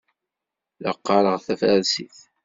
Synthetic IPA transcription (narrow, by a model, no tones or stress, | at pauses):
ləqːɑɾˤəʁθæfæɾsiθ